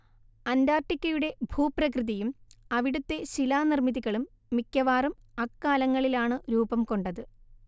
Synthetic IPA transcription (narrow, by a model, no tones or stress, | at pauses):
ɐnd̪aːrʈːikʲːɐjuɽe̞bʱuːprɐkrɨðɐjumɐʋiɽut̪ːe̞ɕilaːnirmiðiɣɐɭumː | ikʲːɐʋaːrumɐkːaːlɐŋːɐɭilaːɳɨɾuːbɐmko̞ɳɖɐðɨ